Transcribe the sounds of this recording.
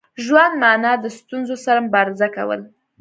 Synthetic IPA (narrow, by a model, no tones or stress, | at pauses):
ʒwand̪mɑnɑd̪əst̪unzosaɾamʊbɑɾɪzaka̰wə̰l